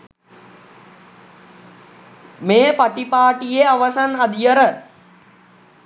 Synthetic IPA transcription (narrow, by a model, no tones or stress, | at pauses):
meːpaʈipaːʈijeaʋasanad̪ijəɾə